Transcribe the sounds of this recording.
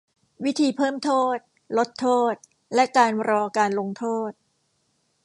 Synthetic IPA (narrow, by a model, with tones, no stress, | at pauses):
wi˦˥t̪ʰiː˧pʰɤː˥˩mt̪ʰoː˥˩t̪̚ | lo˦˥t̪ʰːoː˥˩t̪̚ | lɛ˦˥ʔkaː˧nɾɔː˧kaː˧nlo˧ŋt̪ʰoː˥˩t̪̚